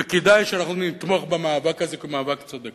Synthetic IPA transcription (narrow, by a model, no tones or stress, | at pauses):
eked̪ajʃeanaχnunit̪moχbemaːvakhaze̞kemaːvakt͡sod̪ek